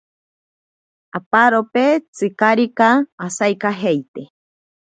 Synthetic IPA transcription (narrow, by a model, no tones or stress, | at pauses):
apaɾopet͡sɨkaɾikaːsajkaɦejt̪e